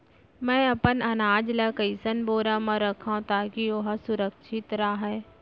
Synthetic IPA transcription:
mɛ̃ːɐpənɐnaːd͡ʒlɐkəisənboːɾãmãɾɐkʰãt̪aːkioɦsʊɾəkʃʰɪt̪ɾaːɦɛː

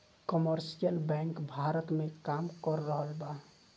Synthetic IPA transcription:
kəməɾsijəlbɛ̃ŋkbʱaɾət̪mekamkəɾːəɦəlba

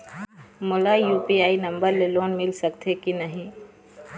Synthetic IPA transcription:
mʊlajuːpiaːinɐ̃mbəɾleloːnmɪlsɐkt̪ʰekinɐɦĩ

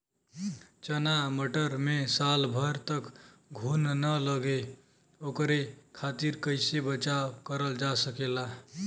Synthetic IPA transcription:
t͡ʃənaməʈəɾmesalbʱəɾt̪əkɡʱunnələɡe | okɾekʰat̪iɾkəɪsebət͡ʃakəɾəld͡ʒasəkela

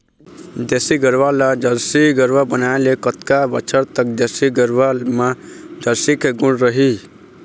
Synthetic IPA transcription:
d̪esiɡəɾʋalad͡ʒəɾsiɡəɾʋabənaelekət̪kabət͡ʃʰəɾt̪ək̚d̪esiɡəɾʋalmãd͡ʒəɾsikeɡũɽɾəɦi

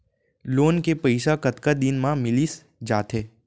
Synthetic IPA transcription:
loːnkepəɪʃakɐt̪kad̪ɪnmãmɪlis | d͡ʒaːt̪eː

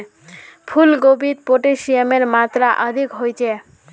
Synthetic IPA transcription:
pʰulɡobit̪̚poʈeʃiemeɾmat̪ɾaʔəd̪ʱikɦojt͡ɕʰe

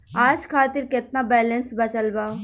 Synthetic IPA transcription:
aːd͡ʒkʰaːt̪ɪɾkɪt̪nabɛːlənsbɐt͡ʃəlbaːo

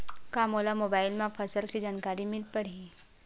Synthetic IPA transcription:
kaːmoːlamoːbaːɪlmẽpʰɐsəlkid͡ʒaːnkaːɾimɪlpɐɽi

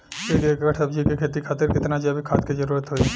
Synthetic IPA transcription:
sekekəʈʰəb̚d͡ʒikekʰeːt̪ikʰaːt̪ɪɾkɪt̪nad͡ʒabʱikʰaːt̪ked͡ʒɐɾuːɾət̪ɦoi

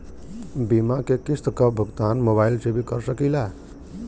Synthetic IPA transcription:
bimakekist̪əkəbʱəɡt̪anmobaɪlsebʱikəɾsəkila

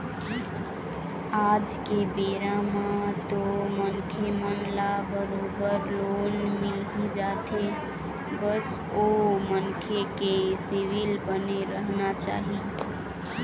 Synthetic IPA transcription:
ad͡ʒkebeɾamãt̪omənkʰemənlabəɾobəɾlonmilɦid͡ʒat̪ʰe | bəs | omənkʰekesiʋilbəneɾəɦnat͡ʃa̰ɦi

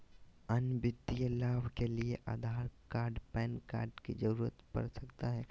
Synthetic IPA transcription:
ənbɪd̪ijəlaːbkelieʔa̰ːd̪ʱaːɾkaːɾɖpɛ̃ːnka̰ːɾɖkḭd͡ʒəɾuːɾət̪pɐ̰ɾsɐkt̪aɦɛː

